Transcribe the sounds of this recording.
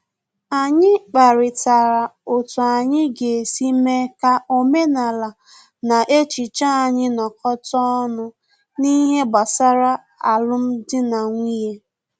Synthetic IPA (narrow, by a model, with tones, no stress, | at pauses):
a˨ɲɪ˦k͡pa˨ɾɪ˨ta˨ɾa˨o˨tʊ˨a˨ɲɪ˦ɡe˨si˦me˦ka˦ʔo˦me˦na˨la˨ | na˨ʔe˦t͡ʃi˨t͡ʃa˦a˨ɲɪ˦nɔ˨kɔ˦tɔ˦ɔ˦nʊ˦ | ni˦ɦe˦ɡ͡ba˨sa˦ɾa˦ | a˨lʊ˦m̩˦dɪ˦na˨ŋʷi˦ɦe˦